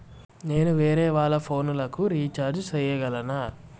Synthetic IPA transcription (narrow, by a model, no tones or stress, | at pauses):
ne̞ːnuʋeːɾɛːʋaːɭːɐpʰo̞ːnulɐkuɾiːt͡ʃaːɾd͡ʒsɐjɐɡɐlɐnaː